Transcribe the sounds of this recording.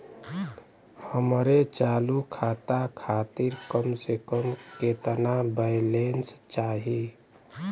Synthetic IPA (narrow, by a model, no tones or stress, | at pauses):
həmɾet͡ʃalukʰat̪akʰat̪iɾkəmsekəmket̪ənabəɪlenst͡ʃaɦi